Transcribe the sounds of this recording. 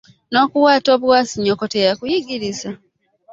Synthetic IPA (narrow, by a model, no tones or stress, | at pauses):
no̞ːkuwaːto̞ːβwaːsiɲːokotejakujiɡiɾiza